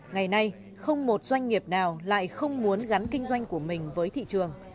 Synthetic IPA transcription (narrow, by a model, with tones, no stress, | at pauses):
ŋa˨˩jna˧j | xə˧wŋ͡mmo˨˩t̚zwa˧jŋ̟ːi˨˩əp̚naː˨˩wla̰ː˧˨jxə˧wŋ͡mmu˨˦ənɣa˨˦nkï˧ŋ̟zwa˧jŋ̟ku˧˩əmï˨˩ŋ̟vəː˨˦jt̪ʰḭ˧˨t͡ɕɨ˨˩əŋ